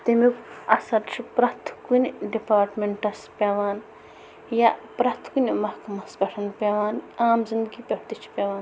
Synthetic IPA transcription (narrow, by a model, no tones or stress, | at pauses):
t̪emikɐsɐɾt͡ʃʰipɾɐt̪ʰkunʲɖipaːɾʈmeɳʈɐspʲeːʋaːn | japɾɐt̪ʰkunmɐhkɐmɐsɡɐʈʰɐnpʲeʋaːnaːmzind̪ɡipʲɐʈt̪it͡ʃʰi̥pʲeːʋaːn